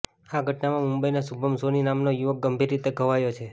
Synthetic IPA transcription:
aɡʱəʈnamãmumbəinasubʱəmsoninamnojuʋək̚ɡəmbʱiɾit̪eɡʱəʋajot͡ʃʰe

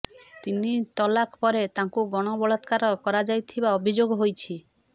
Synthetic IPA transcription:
t̪init̪ɔlakʰpɔɾet̪aŋkuɡɔɽ̃ɔbɔɭɔt̪kaɾɔkɔɾad͡ʒajt̪ʰibaɔbʱid͡ʒoɡɔɦojt͡ʃʰi

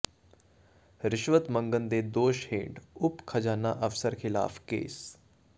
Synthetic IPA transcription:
ɾɪʃʋət̪məŋɡənd̪ed̪oːʃhḛ̃ːɳɖʊpkʰɐd͡ʒaːnːa̰ʔɐfsəɾkʰɪla̰ːfkḛːs

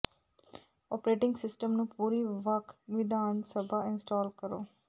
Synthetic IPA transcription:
ɔːpɾeːʈɪ̃ŋɡsɪsʈəmnũːpuːɾiʋəkʰʋɪd̪ʱaːnsəbʱaɪ̃nsʈɔːlkəɾoː

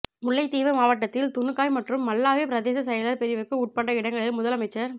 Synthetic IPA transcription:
mʊɭːɐɪt̪ːiːʋɐmaːʋɐʈːɐt̪ːɪlt̪ʊɳɯkːaːjmɐʈrɯmːɐlːaːʋeːpɪɾɐðeːsɐsɐjɐlɐɾpɛɾɪʋɯkːɯuːʈ̚pɐɳɖɐɪɽɐŋɡɐɭɪlmʊðɐlɐmɐɪt͡ʃːɐɾ

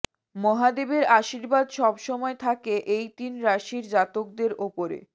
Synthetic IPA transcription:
mɔɦad̪ebeɾaʃiɾbad̪ʃɔbʃɔmɔet̪ʰakeʔejt̪inɾaʃiɾd͡ʑat̪ok̚d̪eɾopoɾḛ

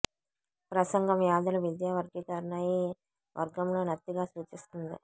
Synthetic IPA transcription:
pɾɐsɐŋɡɐmjaːd̪ɐlɐʋid̪jaːʋɐɾɡikɐɾɐnɐji | ʋʔɐ̰ɾɡɐmloːnɐt̪ːiɡaːsuːt͡ʃist̪und̪ḭ

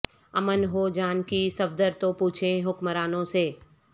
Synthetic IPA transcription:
ɐmənɦoːd͡ʒaːnkisɐbd̪əɾt̪opuːt͡ʃʰẽɦʊkməɾaːnõseː

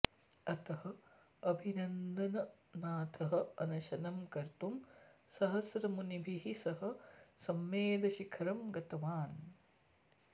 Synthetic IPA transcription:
ɐt̪ɐhɐ | ɐbʱinɐnd̪ɐnɐnaːt̪ʰɐɦɐ̆ɐnɐʃɐnɐmkɐɾt̪umsɐɦɐsɾɐmunibʱiɦisɐɦɐ̆sɐmːeːd̪ɐʃikʰɐɾɐmɡɐt̪ɐʋaːn

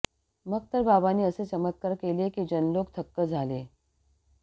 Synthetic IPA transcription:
mək̚t̪əɾbabaniːəset͡ɕəmət̪̚kaɾkelekiːd͡ʑənlok̚t̪ʰəkːəd͡zʱale

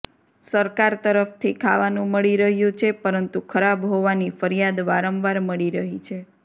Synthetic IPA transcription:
səɾkaɾt̪əɾəft̪ʰikʰaʋanũməɭiɾəɦjũt͡ʃʰepəɾənt̪ukʰəɾabɦoʋanifəɾijad̪ʋaɾəmʋaɾməɭiɾəɦit͡ʃʰe

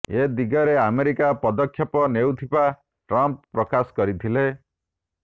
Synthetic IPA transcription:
ed̪iɡɔɾeameɾikapɔd̪ɔkʰːjɔpɔnewt̪ʰiba | ʈɾamppːɾɔkaskɔɾit̪ʰile

